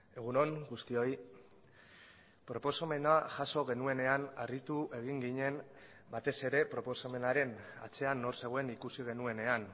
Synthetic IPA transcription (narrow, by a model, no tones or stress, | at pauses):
e̞ɣ̞uno̞ŋɡust̪io̞j | pɾo̞po̞some̞naʝaso̞ɣe̞nue̞ne̞anarit̪uʔe̞ɣ̞iŋɡiɲe̞m | bat̪e̞se̞ɾe̞pɾo̞po̞same̞naɾe̞na̰t͡se̞anːo̞ɾse̞ɣ̞oenikusiɣ̞e̞nue̞ne̞an